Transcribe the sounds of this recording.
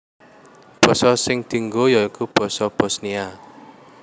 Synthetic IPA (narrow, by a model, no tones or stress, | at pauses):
b̥ɔ̤sɔsɪŋd̪̥i̤ŋɡojɔikub̥ɔ̤sɔb̥ɔ̤snia